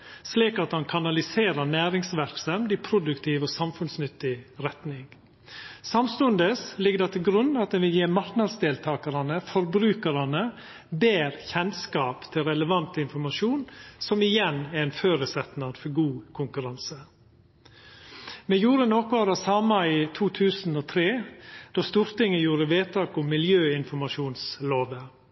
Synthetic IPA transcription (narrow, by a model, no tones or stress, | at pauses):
sliːkɑt̪hɑnkʰɑnɑlɪseːɾəɾnæːɾɪŋsʋæɾksənd̪ɪpʰɾʊd̪ʉkt̪ʰiːʋɔːsɑmfʉnsnʏt̪ːɪɾɛt̪nɪŋ | sɑmst̪ʉnd̪əslɪɡəd̪ɑt̪ʰɪlɡɾʉnːɑt̪̚ɛnʋɪljeːmɑɾknɑd̪sd̪eːlt̪ʰɑːkəɾɑnəfɔɾbɾʉːkəɾɑnə | beːɾçɛnskɑːpt̪ʰɪlɾɛləʋɑnt̪ɪnfɔɾmɑʂuːnsɔmɪjɛnɛɾɛnføːɾəsɛt̪nɑɾfɔɾɡuːkʰʊŋkʉɾɑnsə | mɛjuːɾənɔkʊɑd̪ɑsɑːmɑiːt̪ʰuːt̪ʰʉːsn̩oːt̪ʰɾeːd̪̥oːst̪uːɾt̪ɪŋːəjuːɾəʋeːt̪ʰɑːkʊmːɪljøːɪnfɔɾmɑʂuːnsloːʋə